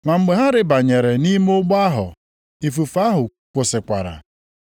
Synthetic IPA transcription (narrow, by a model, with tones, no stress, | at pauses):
ma˨m̩˨ɡ͡be˨ɦa˦ɾɪ˦ba˨ɲe˨ɾe˨ni˦m˦ʊ˦ɡ͡ba˦ɦʊ̰˨ | i˨fu˨fa˦ɦʊ˨ | kʷʊ˨sɪ˨kʷa̰˨ɾa̰˨